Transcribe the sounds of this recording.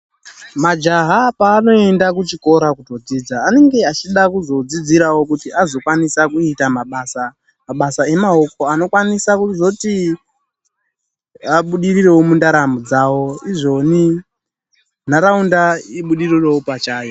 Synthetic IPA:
mad͡ʒaɦapaːno̞e̞ndak̬ut͡ʃiko̞ɾakuto̞d͡zid͡zaːne̞ŋɡe̞at͡ʃiɗakuzo̞d͡zid͡ziɾawo̞kutiʔazo̞kwanisakuitamaɓaːsa | maɓasae̞mao̞ko̞ano̞kwanisakuzo̞ti | aɓuɗirire̞womundaɾamud͡zawo̞iʐo̞ni | n̤aɾaundaiɓuɗirirewopat͡ʃaːjo

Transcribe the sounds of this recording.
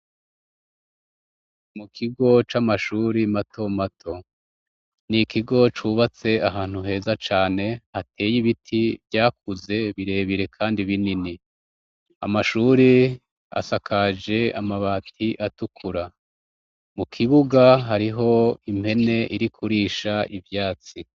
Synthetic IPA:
mukʰiɡo̞t͡ʃamaʃuːɾimatʰo̞matʰo̞ | nikʰiɡo̞t͡ʃuβat͡se̞aɦaːn̥huɦe̞ːzat͡ʃaːne̞hatʰe̞ːjiβitʰiβɟaːk̚uze̞βiɾe̞ːβiɾe̞kʰaːndiβinini | a̰maʃuːɾi | a̰sakʰad͡ʒe̞amaβaːtʰiʔatukʰuɾa | mukʰiβuɡaɦaɾiɦo̞imhe̞ne̞ʔiɾikʰuɾiʃaʔivjaːt͡si

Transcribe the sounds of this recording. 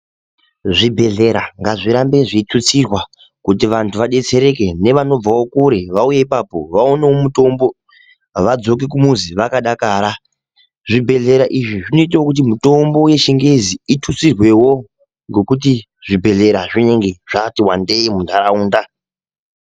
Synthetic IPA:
ʐibʱe̞ɮe̞ɾaŋɡaʐiɾambe̞ʐitʰut͡sirwa | kut̬iʋantʰuʋaɗe̞t͡se̞ɾe̞ke̞ne̞ʋano̞b͡vawo̞kuɾe̞ʋauje̞ipapo̞ʋaonewomuto̞mbo̞ | ʋad͡zo̞k̬ik̬umuziʋakaɗakaːɾa | ʐibʱe̞ɮe̞ɾaʔiʐiʐino̞it̬awokut̬imuto̞mbo̞je̞ʃiŋɡeziitʰut͡sirwe̞wo̞ | ŋɡo̞kut̬i | ʐ̥ibʱe̞ɮe̞ɾaʐine̞ŋɡe̞ʐatiwande̞imundʱaɾauːnda

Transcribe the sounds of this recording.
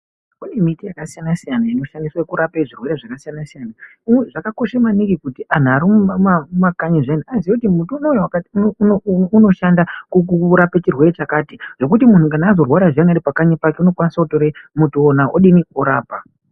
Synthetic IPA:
une̞mitijakasijanasijanaino̞ʃandiswaekuɾapeʐirwe̞ɾeʐakasijanasijana | imweʐakako̞ʃamanikikutiʔan̤uaɾimumamakaɲiʐaniaziekutimutunojewakatunouno̞ʃandakukuɾapet͡ʃirwe̞ɾe̞t͡ʃakaːtiʐ̥o̞k̬utimun̤ukanaːzo̞rwaɾaʐiaŋaɾipakaɲipake̞uno̞kwanisakuto̞ɾemutːnaʔoɗinioɾaːpa

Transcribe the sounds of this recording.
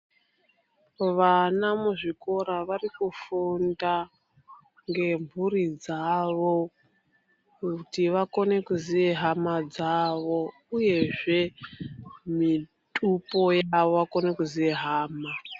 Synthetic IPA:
ʋanamuʐiko̞ɾaʋarikufunda | ŋɡe̞mbʱuɾid͡zaʋo̞ | kutiʋako̞ne̞kuziʋe̞ɦamad͡zaʋo̞ | uje̞ʐe̞ | mi | tʼupo̞jaʋo̞ʋako̞ne̞kuziʋe̞ɦaːma

